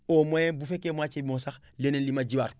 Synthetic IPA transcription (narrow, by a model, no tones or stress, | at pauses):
omojebufekemat͡ʃebimosax | lenenlimad͡ʒiwaɾ